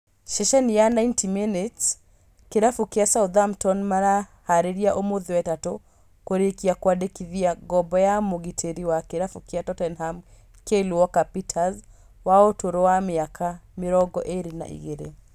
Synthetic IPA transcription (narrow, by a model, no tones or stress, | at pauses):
ʃɛʃɛnijanaintimenet | keɾafukiasauðamtɔnmaɾahaɾiɾiaʔomoðiwɛtato | koɾekiakwadekiðiaɡɔbɔjamoɣitʰeɾiwakiɾafukiatɔtɛnham | keluwɔkapitʰaz | waotoɾɔwamiakʰamiɾɔɡɔʔeɾina̰ʔḭɣeɾḛ